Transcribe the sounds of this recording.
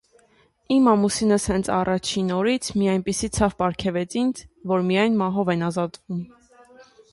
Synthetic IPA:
imɑmusinəshɛnt͡sʰɑrɑt͡ʃʰinɔɾit͡sʰmijɑjnpisit͡sʰɑvpɑɾkʰɛvɛt͡sʰindʰvɔɾmijɑjnmɑɦɔvɛnɑzɑt̪vum

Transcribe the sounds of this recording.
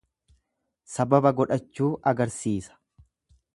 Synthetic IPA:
sɐbɐbɐɡɔᶑɐt͡ʃːuːʔɐɡɐɾsiːsɐ̥

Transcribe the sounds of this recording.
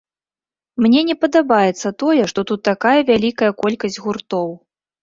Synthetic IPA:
mnʲɛnʲɛpɐd̪abajɛt̪sːɐt̪ɔjɛʂt̪ɔt̪ut̪ːakajɐvʲalʲikɐjɐkɔlʲkɐzʲd͡zʲɣurt̪ɔw

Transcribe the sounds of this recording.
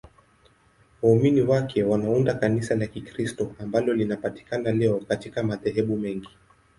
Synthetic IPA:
wauminiwakʰɛwanaundakanisalakikɾistɔambalɔlinapati̥kanalɛɔkatikamaðɛɦɛɓumɛŋɡi

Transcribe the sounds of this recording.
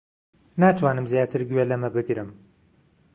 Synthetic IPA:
naːt̪ʰwaːnɨmzjaːt̪ʰɨɾɡɥelɐmɐbɨɡɾɨm

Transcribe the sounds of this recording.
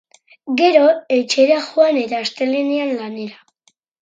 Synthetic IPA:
ɡe̞ɾo̞et͡ʃe̞ɾaxoanet̪aːst̪e̞linianlane̞ɾa

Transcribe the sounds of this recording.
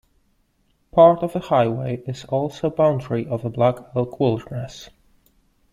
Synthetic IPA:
pʰɑɹɾʌvðəhaɪweɪɪzɔlˠsoʊbãʊ̃ndɹiʔʌvəblakʰɛlˠkʰwɪlˠdɹɛs

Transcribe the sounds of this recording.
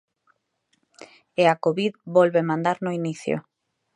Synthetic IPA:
eakoβiðbolβemãnd̪aɾnoiniθjo̰

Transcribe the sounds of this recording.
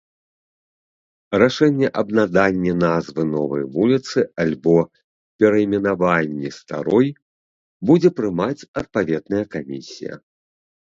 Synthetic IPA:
raʂɛnʲːɛʔɐbnad̪anʲːɛnazvɨnɔvɐ̰jvulʲit̪sɨalʲbɔ | pʲɛɾɐimʲɛnavanʲːist̪a̰ɾɔj | bud͡zʲɛpɾɨmat͡sʲɐt̪̚pavʲɛd̪nɐjɐkamʲisʲḭjɐ̰

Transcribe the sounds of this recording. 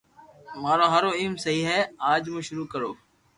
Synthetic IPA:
maːɾoːɦəɾoːiːmsəɦiːɦɛːaːd͡ʒmũːʃʊɾuːkəɾoː

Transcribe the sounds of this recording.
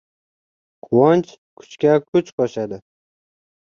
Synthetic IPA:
qʰʊwɒnt͡ʃʰ | kʰʊ̥t͡ʃkʲakʰʊt͡ʃqʰɒʃad̪ɪ

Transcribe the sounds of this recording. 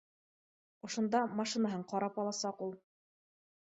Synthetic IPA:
ŏʃŏnd̪ɑmɑʃinaɦɤɴqɑɾɑpɑlˠɑsɑqulˠ

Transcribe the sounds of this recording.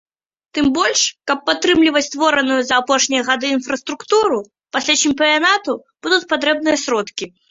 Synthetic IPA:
t̪ɨmbɔlʲʂkɐpːat̪ːɾɨmlʲivɐt͡sʲst̪vɔɾɐnujuzɐːpɔʂnʲijɐɣad̪ɨːnfɾɐst̪ɾukt̪uɾu | pasʲlʲat͡ɕimʲpʲianat̪ub̥ud̪ut͡sʲpat̪̬ɾɛb̚nɨjɐsʲɾɔt̪kʲi

